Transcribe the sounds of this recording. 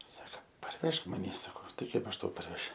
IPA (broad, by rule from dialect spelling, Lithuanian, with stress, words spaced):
ˈsɑːkɐ pɐrʲˈʋʲɛʃk mɐˈnʲiː sɐˈkoː ˈtɐɪ ˈkɐɪp ɐʃ ˈtɐʊ pɐrʲˈʋʲæːʃʲʊ